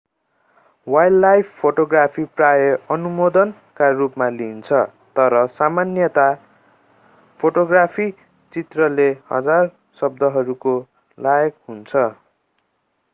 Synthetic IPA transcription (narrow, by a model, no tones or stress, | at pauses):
wajlːajpʰpʰːoʈoɡrapʰiprajʌʌnumod̪ʌn | karupmalint͡sʰʌ | t̪ʌɾʌsamanjʌt̪a | pʰoʈoɡrapʰi | t͡sit̪rʌlehʌ̰d͡zar | sʌb̚d̪ʱʌɦʌɾuko | lajʌkɦunt͡sʰʌ